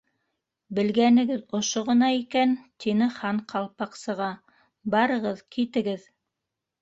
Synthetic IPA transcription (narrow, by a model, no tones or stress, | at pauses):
bɘ̆lɡænɘ̆ɡɘðŏʃoʁɤ̆nɑikænt̪ʰinɘχɑɴqʰɑlˠpɑqsɤ̆ʁɑ | bɑɾɤ̆ʁɤðkit̪ɘ̆ɡɘð